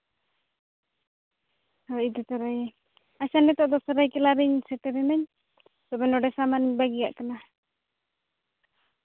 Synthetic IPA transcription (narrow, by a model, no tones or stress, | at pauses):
hɔid̪ɔt̪ɔɾajɛ | asanɛt̪ɔʔd̪ɔsɔɾajkɛlaɾɛɲsɛʈɛɾɛmɛɲ | sɔbɛnɔɖɛsamanɲbaɡiɡa̰ʔkana